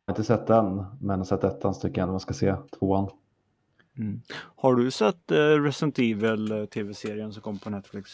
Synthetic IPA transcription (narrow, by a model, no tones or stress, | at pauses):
ɪnt̪əsɛt̪̚ːd̪ɛnmɛnsɛt̪ːɛt̪ːanst̪ʰʏkːəɛnmanskaseːt̪ʰvoːan | m̩haɖɵsɛt̪ːɾɛsənt̪ʰiːvəlt̪ʰeːvɛseːɾɪəns̬ɔmkʰɔmːpʰɔnɛt̪flɪks